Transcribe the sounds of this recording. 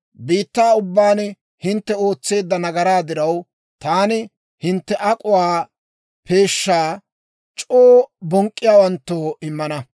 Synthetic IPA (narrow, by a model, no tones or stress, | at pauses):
biːt̪ːaːʊbːaːnɛ | hɪnt̪ːɛo̞ːt͡sːe̞ːd̪ːɐnɐɡɐɾaːd̪ɪɾɐw | t̪aːnɪ | hɪnt̪ːɛʔɐkʼʊwaː | pe̞ːʃːaː | t͡ʃʼoːbɔŋkʼːɪjaːwɐnt̪ːoːɪmːɐnɐ